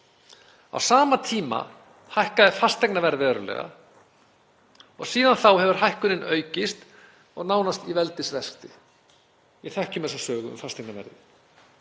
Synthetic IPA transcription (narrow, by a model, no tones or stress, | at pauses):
a̰wsaːmat̪ʰiːma̰ | hajhkaðɛfast̪ɛjknavɛɾðɛːɾʏlɛ̰ːɣa̰ | ɔɣsiːðanθawhɛvʏɾ̥ɦajhkʏɾɪnœːɥcɪst̪ | ɔɣnaːwnast̪ivɛlt̪ɪsvɛskt̪ɪ | jɛθɛhcɪmɛsasœːɣʏʏ̰mfast̪ʰɛjknavɛ̰ɾðɪ